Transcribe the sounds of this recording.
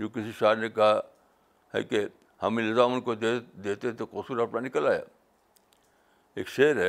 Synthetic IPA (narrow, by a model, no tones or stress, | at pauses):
jõːkɪsiʃaːɾnekɐɦa | ɦɛ̰ke | hɐmilɪzaːmʊnkoed̪eːt̪eɦɛ̃t̪okosuɾɐpnanɪkəlaːja̰ː | ḛːkʃeːəɾɦɛ